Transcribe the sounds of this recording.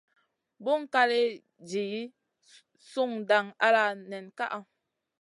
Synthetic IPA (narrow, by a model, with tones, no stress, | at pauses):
bo˦ŋ˦ka˦le˦ | d͡ʒi˨ji˦ | su˦˨ŋda˨ŋa̰˦la˦˨nɛ˨nka̰˦ʔa˨